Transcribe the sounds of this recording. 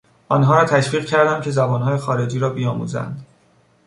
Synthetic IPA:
ʔɒːnɦɒːɾɒːt̪ʰæʃviːʁcʰæɾd̪æmd̪cʰe̞zæbɒːnɦɒːje̞xɒːɾe̞d͡ʒiːɾɒːbijɒːmṵːzæ̰nd̪

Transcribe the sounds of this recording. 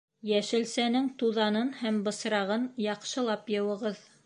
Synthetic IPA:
jæʃɘ̆lsænɘŋt̪uðɑnɤnhæmbɤ̆sɾɑʁɤnjɑqʃɤ̆lˠɑpjɤ̆wɤ̆ʁɤð

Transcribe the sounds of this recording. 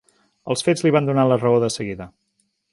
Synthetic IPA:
əlˠsfed͡zliβand̪unalərəoðəsəɣiðə

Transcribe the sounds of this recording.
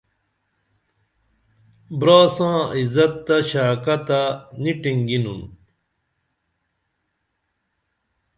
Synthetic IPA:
bɾaːsãːizɐt̪ːɐɕaːkɐt̪aniʈiŋɡinun

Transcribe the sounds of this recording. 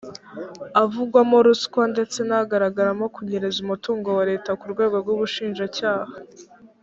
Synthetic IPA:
avuɡwamoɾuskwande̞t͡se̞naɡaɾaɡaɾamo̞kuɲeɾezumutuːŋɡo̞waɾe̞ːtakuɾɡwe̞ːɡo̞ɾɡuβuʃiːnʒacaːha

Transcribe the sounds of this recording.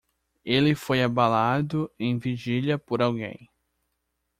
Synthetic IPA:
elɪfojabalad̪ʊẽj̃viʒiljɐpoɾawɡḛ̃j̃

